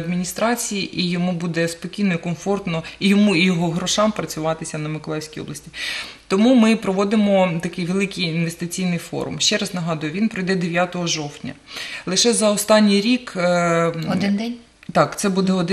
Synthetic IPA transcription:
d̪mʲinʲist̪ɾɑt͡sʲijiʔijɔmubud̪ɛspɔkʲijnɔikɔnfɔrt̪nɔijɔmujɔɦɔɦɾɔʃɑmpɾɐt͡sʲʊʋɑt̪ɪsʲɐnɐmɪklˠɛjwsʲkijɔ̰blˠɐsʲtʲi̥t̪ɔmumɪpɾɔʋɔd̪ɪmɔt̪ɐkɪjʋelˠɪkɪjinʋest̪ɪt͡sʲijnɪjfɔ̰ɾʊ̰mʃt͡ʃɛɾɑznɐɦɑd̪ʊjʊʋʲinpɾɔjd̪ɛd̪eʋʲjat̪ɔɦɔʒɔwtʲnʲɐ̰lˠɪʃɛzɐɔst̪ɑnʲːijɾʲik | ɔd̪ɪnd̪ɛnʲ | t̪ɑkt̪sɛbud̪ɛɔd̪

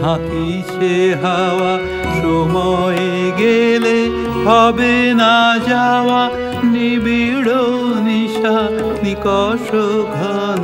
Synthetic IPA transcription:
ɦãki | t͡ʃeɦaʋa | nomɔjeɡele | hɔbenad͡ʒaʋa | nibiɽoniʃa | nikɔʃobʱɐ | n

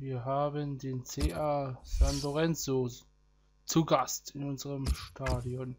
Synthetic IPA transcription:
viːɐɦaːbəndeːnt͡seːʔazanloʁɛnt͡so | t͡suɡastɪnʊnzəʁəmʃtʰaːdiɔn

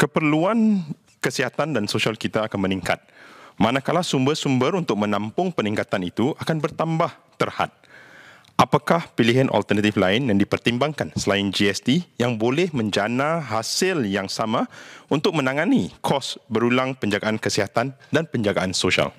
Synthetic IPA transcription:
kəpərluan | kəsiɦat̪andansoʃialkit̪aːkanmə̃niŋka̰t̪̚mãnakalasumbərsumbəɾunt̪ʊk̚mə̃nampʊŋpənĩŋkat̪anit̪uʔakanbərt̪ambaht̪ərha̰t̪̚ | ʔapakahpiliɦanʔɔ̰lt̪ərnãt̪iflaɪnjaŋdipərt̪imbaŋkansəlaɪnd͡ʒiɛst̪ijaŋbolɛhmə̃ɲd͡ʒanãɦasɪljaŋsamãunt̪ʊk̚mə̃nãŋãnikʰɔsbəɾulaŋpəɲd͡ʒaɡaʔankəsiɦat̪andanpəɲd͡ʒaɡaʔansoʃia̰l

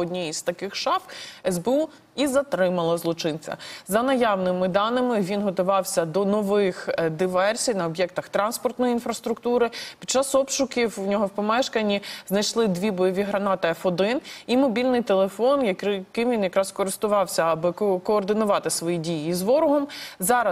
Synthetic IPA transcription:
ɔdʲnʲiiz̥t̪ɐkɪxʃɑfɛzbeu | izɐt̪ɾɪmɐlˠɐzlˠɔt͡ʃɪnt͡sʲɐ̰zɐnɐjɑwnɪmɪd̪ɑnɪmɪʋʲinɦɔt̪ʊʋɑwsʲɐd̪ɔnɔʋɪxd̪ɪʋɛrsʲijnɐɔbjɛkt̪ɐxt̪ɾɑnspɔrt̪nɔjiinfɾɐst̪ɾʊkt̪uɾɪpʲi̥d̚t͡ʃɑsɔbʃʊkʲiwnʲɔɦɔwpɔmɛʃkɐnʲiznɐjʃlˠɪd̪ʲʋʲibɔjɔʋʲiɦɾɐnɑt̪ɪɐfɔd̪ɪnimɔbʲilʲnɪjt̪elˠefɔnjɐkɪmʋʲinjɐkɾɑskɔɾɪst̪ʊʋɑwsʲɐɐbɪkɔːrd̪ɪnʊʋɑt̪ɪsʋɔjidʲijiːzʋɔɾʊɦɔmzɑɾɐ

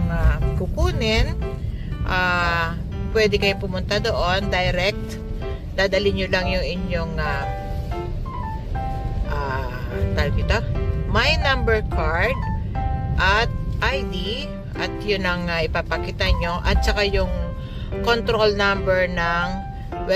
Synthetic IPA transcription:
ŋakʊpuːnɪn | ʔaː | pwɛd̪ɛkɐjopʊmʊnt̪ad̪o̞ʔo̞nd̪ɐjɾɛk̚t̪ | d̪aːd̪ɐlɪɲjolɐŋjʊŋʔɪɲjoŋa | ʔa | t̪aɾɡɛt̪omɐjnambɛɹkʰaɹd̪̚ | ʔɐt̪̚ʔajd̪i | ʔɐt̪jʊnɐŋaʔɪpapɐkit̪ɐɲo̞ʔɐt̪̚t͡ʃɐkajʊŋ | kont̪ɾolnambɛɹnɐŋ | wɛ

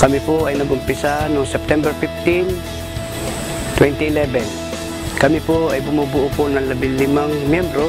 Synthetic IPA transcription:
kɐmɪpoʔajnɐɡʊmpɪsanoŋsɛp̚t̪ɛmbɛɹfɪft̪ɪn | t̪wɛnt̪iɪlɛbɛn | kɐmɪpoʔajbʊmubʊʔʊponɐŋlɐbilɪmaŋmjɛmbɾo

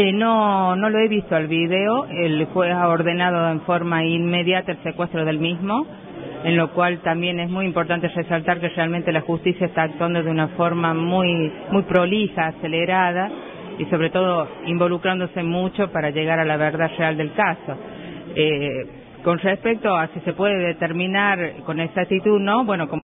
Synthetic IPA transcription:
enono̞lo̞eβist̪oalβiðeoelxweaoɾðenað̞o̞eɱfo̞ɾmainmeðjat̪aelsekwe̞st̪ɾoð̞e̞lmizmo | enlo̞kwalt̪ambje̞nezmujimpo̞ɾt̪ant̪eresalt̪aɾkerealmẽnt̪elaxust̪isjaest̪aːk̚t̪wand̪o̞ðeunafo̞ɾmamuj | mujpɾolisaːseleɾað̞a | iso̞βɾet̪o̞ð̞o̞imbo̞lukɾand̪osemut͡ʃo̞paɾaʒeɣaɾalaβeɾðaðreald̪e̞lkaso̞ | e | ko̞nrespek̚t̪o̞asisepweðeðet̪eɾmĩnaɾko̞neksak̚t̪it̪uðnoβwe̞noko

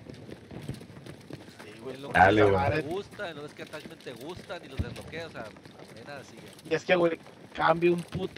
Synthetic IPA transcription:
siɣwelod̪a̰lleweaɾeɣust̪anloesket̪ament̪eɣust̪anilozelokeoseaapenasieieskeɣwe | kambjaumput̪

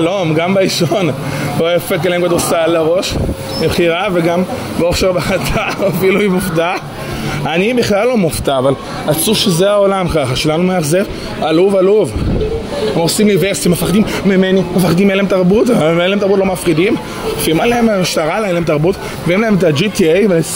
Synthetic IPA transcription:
lomɡambaiʃon | ojafekeleemkad̪osalaʁo̞ʃ | mibχiʁaveɡam | beoχʃeʁbeχat̪ʰaoafiluimufta | anibiχlalːo̞muft̪aːval | at͡suʃezeaolamkaχaʃelanumeaχzev | aluvaluv | mosimliveʁsit̪imefaχd̪imːimenimefaχd̪imːelemt̪aʁbut̪ameeleemt̪aʁbut̪̬lomafʁid̪im | fiimaleemmiʃt̪aʁaleelemtaʁbut̪ | mveimlahemet̪ad͡ʒit̪iejvele

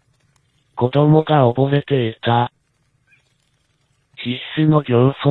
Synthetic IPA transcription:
ko̞d̪o̞mo̞ɡaoboset̪eit̪a | çʲisɨnoɾʲjoso

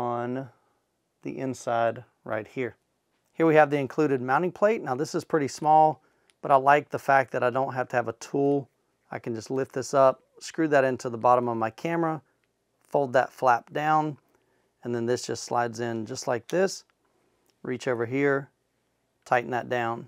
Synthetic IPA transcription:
ə̃n | ðḭʔɪ̃nsaɪd̚ | ɹa̰ɪt̚hiɹ | hiɹwiɨvðiɨ̃nkʰl̥ʉɾɨd̚mãʊ̃ɾ̃ɪ̃ŋpʰl̥eɪtⁿnaʊðɪsəz̥pʰɹ̥ɪɾismɔlˠ | b̥ʌɾaɪlaɪk̚ðəfæk̚ðɨɾaɪdõʊ̃n̚ɦæftɨːvətʰulˠ | aɪkn̩d͡ʒʌstˡlɪft̪̚ðɪsʌp̚ | skɹʉðɨɾɪ̃ntʰʉðəbɑɾə̃mʌvmaɪkʰæməɹə | foʊlˠd̪̚ðə̰tflæp̚d̥ãʊ̃n | ɨ̃nðɨ̃nðɪsd̥ʒ̥ʌstsla̰ɪdzɪ̃nd͡ʒʌstˡlaɪk̚ðɪs | ɹit͡ʃoʊvə˞ɦiɹ | tʰaɪʔ̩ðɨ̰t̚d̥ãʊ̃n

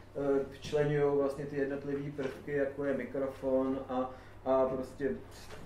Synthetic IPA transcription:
t͡ʃlɛɲujowvlastɲɛt̪ɪjɛdno̞t̪lɪviːpr̩fkɪjakojɛmɪkɾo̞fonʔa | apɾoscɛ

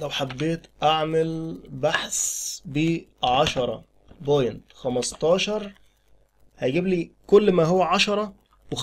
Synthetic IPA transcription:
læwħabːeːt̪ʔaʕmelbaħsbiːʕɑʃɑɾˤɑ̰ | bojnt̪xæmɑst̪ˤɑːʃɑɾˤ | hæjɡiːbliːkolːmæɦowːæʕɑʃɑɾˤɑ | wex

